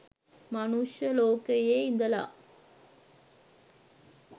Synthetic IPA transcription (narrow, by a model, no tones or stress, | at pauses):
mɐnuʂjɐloːkəjeːind̪əla̰ː